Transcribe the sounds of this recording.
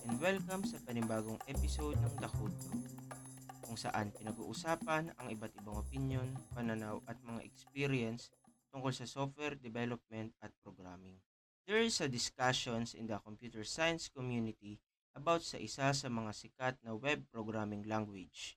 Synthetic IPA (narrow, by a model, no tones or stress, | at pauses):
ʔɛnd̪wɛlkɐmsɐpɐnɪmbaːɡoŋʔɛpɪsowd̪̚nɐŋd̪ɐkot̪o | kʊŋsɐ̰ʔanpɪnɐɡṵːʔʊsaːpɐnɐŋɪbat̪ɪbaŋʔopɪnjo̞npɐnɐnawʔɐt̪̚mɐŋa̰ʔɛkspiɾɪɛns | t̪ʊŋkolsɐsof̚wɛɹd̪ɛbɛlop̚mɛnt̪̚ɐt̪̚pɾoɡɹamɪŋ | d̪̥ɛɹsɐd̪ɪskaʃonsʔɪ̰nd̪ɐkompjuːt̪ɛɹsajɐnskomjunɪt̪i | ʔɐbawt̪̚sɐʔɪsasɐmɐŋasɪkat̪̚nɐwɛb̚pɾoɡɹamɪŋlaŋɡwɪd͡ʒ